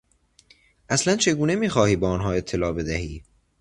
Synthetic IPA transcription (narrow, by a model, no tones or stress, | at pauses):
ʔæslænt͡ʃʰe̞ɡuːne̞miːxɒːhiːbeːɒnɦɒːe̞t̪ʰːe̞lɒːbe̞d̪æhiː